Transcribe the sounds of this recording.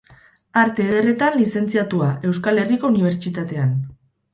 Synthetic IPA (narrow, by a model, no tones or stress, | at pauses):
aɾt̪e̞ðere̞t̪anlise̞nt͡siat̪uaʔe̞wskale̞riko̞uniβ̞e̞ɾt͡ʃit̪at̪e̞an